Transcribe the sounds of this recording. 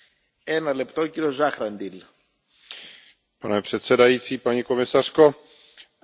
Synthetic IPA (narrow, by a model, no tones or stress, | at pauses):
enɐlept̪oociɾio̞zɐxɾɐnd̪il | panɛpr̝̥ɛt̪sɛdajiːt͡siːpaɲiko̞mɪsar̥ko̞